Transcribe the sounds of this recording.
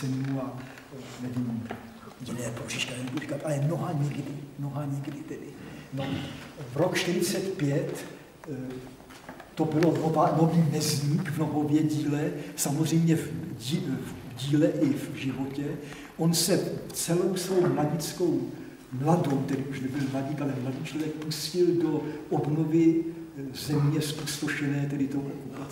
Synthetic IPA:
ɛnua | nɛviːm | jɪnɛːporiʃkanɛnɛpori̥kat̪ʔalɛmnoɦaɲɪɡdɪmnoɦaɲɪɡdɪt̪ɛdɪnovɾokt͡ʃt̪ɪɾɪt͡sɛt̪pjɛt̪ | t̪obɪlo̞novaːnoviːmɛzɲiːkvnoɦovjɛɟiːlɛsamozr̝ɛjmɲɛvivɟiːlɛʔɪvʒɪvo̞cɛ | ʔonsɛt͡sɛlowsvo̞wmlaɟɪt͡sko̞w | mladowt̪ɛdɪuʃnɛbɪlmlaɟikalɛmladiːt͡ʃlovjɛk̚puscɪldoʔobnovɪ | zɛmɲɛspust̪oʃɛnɛːt̪ɛdɪt̪ooa

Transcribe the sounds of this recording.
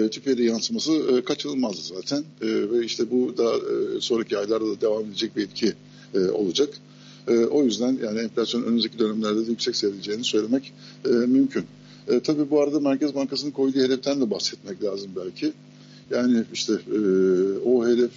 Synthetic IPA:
t̪ʰypʰed̪ɛjansɯmasɯːkʰat͡ʃʰɯnɯlˠmazd̪azaːt̪ʰænːvɛiʃt̪ʰɛbud̪aso̞nɾacʰiajlˠaɾd̪ad̪ad̪e̞vamed̪ed͡ʒɛc̚biilʲcʰiː | o̞̰lˠad͡ʒakː | ʔo̞jyzd̪ænjaːnɪɛmflʲasjonʔønymyzecʰid̪ø̞næmlʲæɾd̪ɛd̪ɛjycsɛcse̞vilʲed͡ʒe̞jinisø̞jlʲe̞mɛc | ɛːmymcʰynː | t̪ʰabiːbuaɾad̪amæɾcʰɛzbaŋkʰasɯnɯkʰo̞jd̪uːhe̞d̪ɛft̪ʰænd̪ʲɛbahsɛt̪mɛclʲaːzɯmbælʲcʰɪ | jaːnɪiʃt̪ʰɛ | oɦe̞d̪ɛf

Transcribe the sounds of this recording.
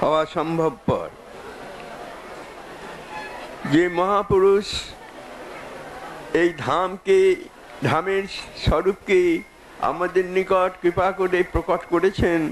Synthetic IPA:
hɔoaʃɔmbʱob̚pɔ̰ɾ | d͡ʑemɔɦapuɾuʃ | ejd̪ʱamke | d̪ʱameɾʃɔɾup̚ke | a̰mad̪eɾnikɔʈkɾipakoɾepɾokoʈkoɾet͡ɕʰen

